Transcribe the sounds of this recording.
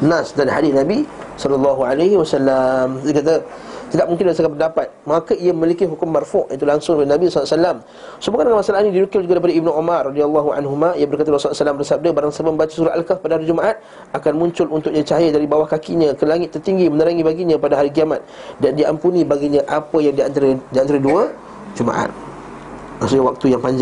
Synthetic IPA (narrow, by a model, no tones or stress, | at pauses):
nasdanhadiɪnabi | sɔlɔlːɑɦualaɦiwasalːamsekat̪̬a | t̪idaʔ̚muŋkɪnbəsakanpəndapat̪̚makaiaməmilikiɦukʊmːarfɔʔat̪̬ulaŋsʊŋdolenabisasalam | sobukandəŋanmasalanĩdiɾukɪld͡ʒuɡadajpadaibnuomarːɔdialːaɦua̰nɦumãijabərkat̪alasɔsalambərsab̚dabaɾaŋsabambat͡ʃasuɾat̪ʔalkafpadaɦaɾid͡ʒumaʔat̪̚ | akanmũɲt͡ʃʊlunt̪ʊkɲãt͡ʃajədaɾibawahkakiɲãkəlaŋɪt̪ːərt̪iŋɡimənəɾaŋibaɡiɲãpadaɦaɾik̬iamat̪̚dandiampunĩbaɡiɲaʔapəjaŋdiant̪aɾədianaɾəduə | d͡ʒumã̰ʔa̰t̪̚ | asuɲawak̚t̪ujaŋpaɲd͡ʒ